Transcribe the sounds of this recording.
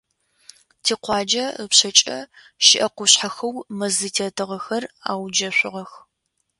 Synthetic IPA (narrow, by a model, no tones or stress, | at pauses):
tʰiːqʷɑːd͡ʒɐəpɕɐt͡ʃʼɐ̰ | ʃɪʔɐqʷʊɕħaxɐwmɐzɨtʰeːtʰɨʁɐxɐra̰ːwd͡ʒɐɕʷɪʁɐx